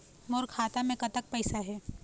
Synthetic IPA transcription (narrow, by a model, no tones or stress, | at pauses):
moːɾkʰaːt̪amẽkɐt̪ək̚pɛɪsaɦɛː